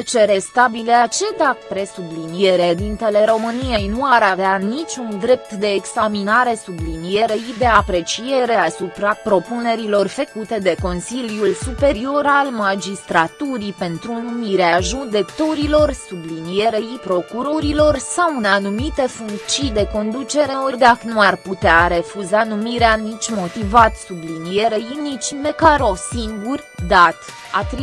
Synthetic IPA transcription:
t͡ʃe̞ɾe̞st̪abileat͡ʃe̞d̪apɾe̞sublinijeɾed̪int̪e̞le̞ɾo̞mɨnije̞jnuaɾaveanit͡ʃʲund̪ɾe̞p̚t̪d̪e̞ːɡsaminaɾe̞sublinije̞ɾeid̪e̞apɾe̞t͡ʃije̞ɾe̞asupɾapɾo̞pune̞ɾilo̞rfekut̪e̞d̪e̞ko̞nsiljulsupe̞ɾio̞ɾalmad͡ʒist̪ɾat̪uɾipe̞nt̪ɾunumiɾeaʒud̪e̞kt̪oɾilo̞rsublinije̞ɾeipɾo̞kuɾo̞ɾilo̞rsawunanumit̪e̞fuŋk̪t͡ʃijd̪e̞ko̞nd̪ut͡ʃe̞ɾeord̪aknuarput̪eaɾe̞fuzanumiɾeanit͡ʃʲmo̞t̪ivat̪sublinije̞ɾejinit͡ʃimekaɾowsiŋɡur | d̪at̪ | at̪ɾi

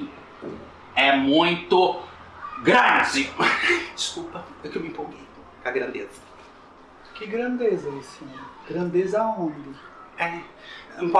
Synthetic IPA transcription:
ɛmũj̃t̪ʊ | ɡɾazɪʊd͡ʒɪskupɐewkewmĩpoɡej | kɐɡɾɐ̃nd̪ezɐ | kɪɡɾɐ̃nd̪ezɐisĩɐɡɾɐ̃nd̪ezɐõnd̪ɪ | ɛ̃ | pɔ

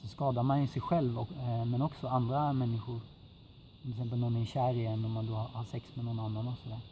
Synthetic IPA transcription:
sɔskɑːd̪amanjɪsɛjɧɛlvɔmɛnɔksɔand̪ɾamɛnːɪɧʊɾ | ɔmɛɪksɛmp̬əlnɔnæɾɕæːɾɪjɛnːɔmand̪ohahaɾsɛksmɛnɔnanːanɔksɔd̪æːɾ

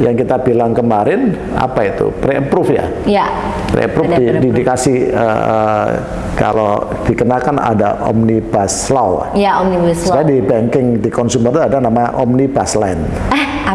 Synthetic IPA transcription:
jaŋkit̪abilaŋkəmaɾɪn | a̰pait̪ṵpɾeəpɾʊfja̰ | ja | pɾḛəpɾufdidindikasɪhə̰ə | ka̰lo̰ | d̥ikənakana̰da̰ʔɔ̰mnib̥aslaw̰jaomniasspajadibaŋkɪŋdikɔnsumərt̪uadanamaʔɔmnibaslan

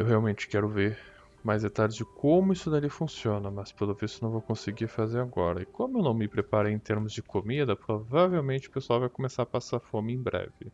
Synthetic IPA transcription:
ewɦeawmẽt͡ʃɪ̥kɛɾʊveɾ | majzd̪et̪aɾd͡ʒɪd͡ʒɪkõmʊisʊd̪alifũsiõnɐmɐspɾɐlovesɪnɐ̃w̃vowkõsɪɡiɾfazeɾaɡɔ̰ɾɐɪkõmʊewnɐ̃w̃mɪpɾepaɾejẽt̪eɾmʊzd͡ʒɪkomid̪ɐpɾovavewmẽnt͡ʃɪʊ̥pesʊawvajkomesaɾapasaɾfõmɪẽj̃bɾɛ̰vɪ

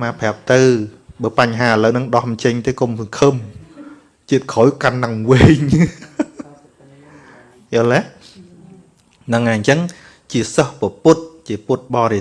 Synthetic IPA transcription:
maːpʰɛ̆əp̚t̪ɨwɓəːpaɲɦaːələwnɨŋɗɑhmt͡ɕəɲt̪eːkomsəŋkʰəm | t͡ɕiət̪̚kʰojkanːaŋʋeːɲ | jolɛh | nɨŋʔaɲt͡ɕəŋ | t͡ɕiəsəhpəpʊt̪̚t͡ɕiəpʊt̪̚ɓɑːɾe

